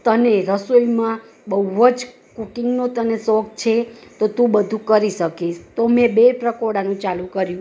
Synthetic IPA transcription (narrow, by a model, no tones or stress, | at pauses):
t̪əneɾəsoimã | bəʋəd͡ʒ | kukiŋɡnot̪ənesɔk̚t͡ʃʰet̪ot̪ũbəd̪ʱũkəɾiʃəkiʃt̪omẽbepɾəkoɽanũt͡ʃalũkəɾjũ